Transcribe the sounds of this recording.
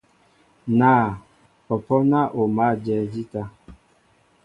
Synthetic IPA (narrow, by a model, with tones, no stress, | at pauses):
naː˦˨ | ɔ˨pɔ˦na˦ʔo˨ma˦˨d͡ʒɛ˦˨d͡ʒi˦ta˦